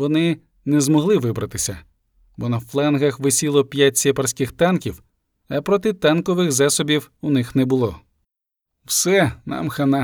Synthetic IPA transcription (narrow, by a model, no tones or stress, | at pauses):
ʋɔnɪ | nɛzmɔɦlˠɪʋɪbɾɐt̪ɪsʲɐ | bɔnɐflˠɛnɦɐxʋɪsʲilˠɔpʲjatʲsʲepɐrsʲkɪxt̪ankʲiw | ɐpɾɔt̪ɪt̪ankɔʋɪxzasɔbʲiwunɪxnɛbʊlˠɔ | wsɛnɑ̰mxɐna